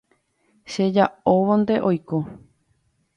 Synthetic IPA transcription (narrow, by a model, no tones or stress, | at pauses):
ʃe̞d͡ʒaoʋõnd̪e̞ʔo̞jko